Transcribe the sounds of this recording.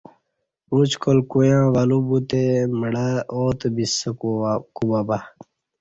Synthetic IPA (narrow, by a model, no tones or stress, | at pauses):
ũt͡ʃkolkujãːʋalubut̪eməɽaoːt̪bisəkukubaːba